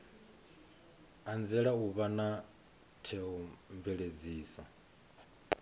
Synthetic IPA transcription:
and͡zɛɺauβana | tʰɛɔmbɛɺed͡ziːsa

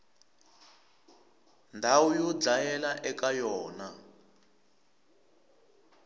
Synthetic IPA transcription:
ndʱaujɔd͡ɮajɛlaʔɛkajɔːna

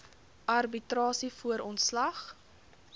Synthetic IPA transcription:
ʔɐrbitɾɑːsifuəɾɔntslɐχ

